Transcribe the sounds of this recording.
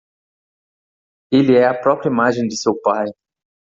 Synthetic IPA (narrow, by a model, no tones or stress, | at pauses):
eliɛɐpɾɔpɾɐimaʒẽj̃d̪ɪsewpaj